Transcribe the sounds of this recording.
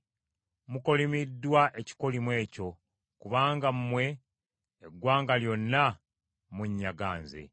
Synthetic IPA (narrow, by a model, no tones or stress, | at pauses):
muko̞limidːwaʔe̞ci̥ko̞limwe̞ːco̞ | kuβaːŋɡamumwe̞ː | ɡwaːŋɡaljo̞nːa | muɲːaɡa̰ːnzḛ